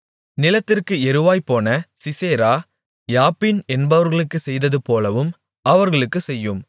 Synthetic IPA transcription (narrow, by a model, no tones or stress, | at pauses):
nɪlɐt̪ːɪrkɯɛɾɯʋaːjpːoːnɐsɪseːɾaː | jaːpːɪnɛnbɐʋɐɾɣɐɭɯkːɯsɛjðɐðɯpoːlɐʋɯm | ɐʋɐɾɣɐɭɯkːɯsɛjːɯm